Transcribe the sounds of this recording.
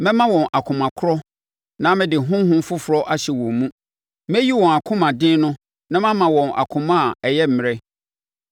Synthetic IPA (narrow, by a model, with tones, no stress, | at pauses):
mɛ̃˦mã˦wɔ̃˨nʔa˨kʰʊ̃˨mã˨kʰʊ˦ɾɔ˦ | nã˦mɪ̃˦dɪ˨ɦʊ̃˦m˦ɦʊ̃˦m˦fʊ˦fʊ˨ɾɔ˦ʔa˦ɕɛ˨wɔ̃˨mũ˦ | mɛ˦ji˦wɔ̃˨a˨kʰʊ̃˦mã˨dɪ̃˦nʊ̃˦ | nã˦mã˦mã˨wɔ̃˨na̰˨kʰʊ̃˨mã˦˨ɛ˨jɛ˦m̩˨mɪ̃˨ɾɛ˦